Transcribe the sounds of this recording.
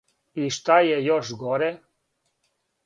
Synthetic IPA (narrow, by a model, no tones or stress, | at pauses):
iʃt̪ajɛjoʃɡoɾɛ